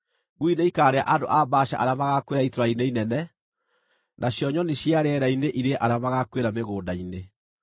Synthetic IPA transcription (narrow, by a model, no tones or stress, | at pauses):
ɣwineikaːɾea̰ʔando̰ʔabaɕa̰ʔaɾeamaɣakweɾaitoɾaineinɛnɛ | nʔaɕjɔɲɔneɕjaɾɛɾaineʔiɾeʔaɾeamaɣakweɾameɣoːdaine